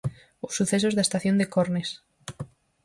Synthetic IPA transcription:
osːuθesozðaest̪aθjond̪ekoɾnes

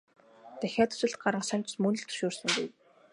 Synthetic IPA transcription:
t̪ʰæxʲaːt̪u̥sɘ̆ɮt̪̚ɢaɾə̆ŋsæm̥ʲt͡ɕmɵnɵ̆ɮt̪ʰɵ̥ʃʊːrsə̆ŋɡṵj

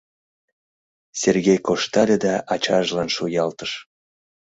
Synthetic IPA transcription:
serɣʲejkoʃt̪ɑlʲed̪ɑʔɑt͡ɕɑʒlɑnʃujɑlt̪əʃ

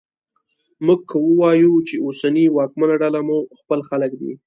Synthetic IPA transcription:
muɡ̚kʰəwəwɑjut͡ʃeosaniwɑkmanaɖalamuxpəlxaləkd̪ḭ

